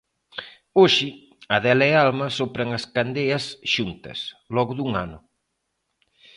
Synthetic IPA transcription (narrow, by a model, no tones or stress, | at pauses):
oʃɪ | ɐðɛlɐɛalmɐsopɾɐŋɐskand̪eɐsʃunt̪ɐ̰slɔɣʊðuŋa̰nʊ